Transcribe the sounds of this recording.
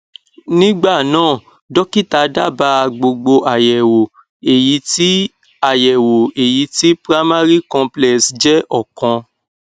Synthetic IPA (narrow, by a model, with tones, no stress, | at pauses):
nĩ˦ɡ͡ba˦˨nãː˦˨ | dɔ˦ki˦˨ta˧˦da˦˨ba˧˦˧ɡ͡bo˧ɡ͡bo˧ʔa˨jɛ˨wo˨ | e˨ji˨˦ti˦ | a˦˨jɛ˨wo˨e˨ji˨˦ti˦pɾa˦ma˦ɾi˦kɔ̃˧plɛ˨sd͡ʒɛ˦ʔɔ˦˨kɔ̃˧